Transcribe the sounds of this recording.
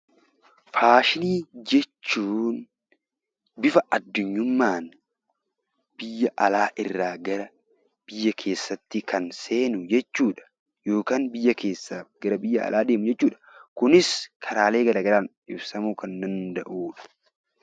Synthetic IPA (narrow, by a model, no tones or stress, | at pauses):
faːʃɪniːd͡ʒɛt͡ʃːuːn | bɪfɐʔɐd̪ːʊɲːʊmːaːn | b̥ɪjːɐʔɐlaːʔɪrːaːɡɐɾɐ | b̥ɪjːɐkʰe̞ːsːɐt̪ːɪkʰɐnse̞ːnʊd͡ʒɛt͡ʃːuːᶑɐ̥ | jo̞ːkaːnbɪjːɐkʰe̞ːsːaːɡɐɾɐbɪjːɐɐ̰lʔaːd̪e̞ːmʊd͡ʒɛt͡ʃːuːᶑɐ̥kʊnɪskʰɐɾaːle̞ːɡɐɾɐːɡɐlaːn | ɪbsɐmuːkɐnd̪ɐnd̪ɐʔuːᶑɐ̥